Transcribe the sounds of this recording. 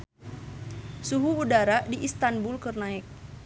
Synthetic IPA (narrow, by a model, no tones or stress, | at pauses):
suɦuːdaɾadiʔist̪anbulkərnaɪk̚